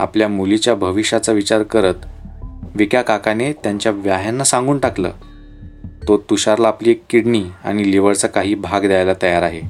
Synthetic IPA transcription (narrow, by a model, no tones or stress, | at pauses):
a̰pljamulit͡ɕjabʱəʋiɕat͡saʋit͡ɕaɾkəɾət̪ | ʋikjakakanet̪jaɲt͡ɕjaʋjaɦjanːasãŋɡuːɳʈaklə̰ː | t̪ot̪uɕaɾlaːpliːekːiɽɳiːa̰ɽ̃iliʋəɽt͡sakaɦiːbʱaɡd̪jajlat̪əjaɾaɦe